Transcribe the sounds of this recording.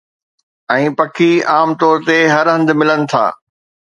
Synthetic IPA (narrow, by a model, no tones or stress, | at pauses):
ɛ̃ːpɐkʰiaːmt̪ɔːɾt̪eɦɐɾɦɐ̃nd̪mɪlənɪ̆t̪ʰa̰ː